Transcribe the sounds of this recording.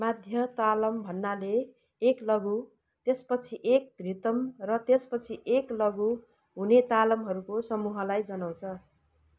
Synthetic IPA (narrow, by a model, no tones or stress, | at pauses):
mad̪ʱjʌt̪alʌmbʱʌnːaleː | klʌɡu | t̪espʌt͡sʰiʔek̚d̪rit̪ʌmrʌt̪espʌt͡sʰiʔeklʌɡu | ɦunet̪alʌmɦʌɾukosʌmuɦʌlajd͡zʌnaw̃t͡sʰʌ